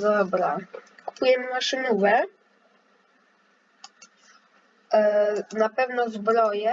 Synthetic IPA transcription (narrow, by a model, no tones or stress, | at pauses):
ɔbɾaku̥pujɛmɘvaʂɨnuvɛ | napɛvnɔzbɾɔjɛ